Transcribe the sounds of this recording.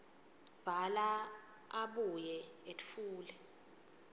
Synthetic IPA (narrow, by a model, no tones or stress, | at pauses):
b̥ʱala | aɓujɛetfuːlɛ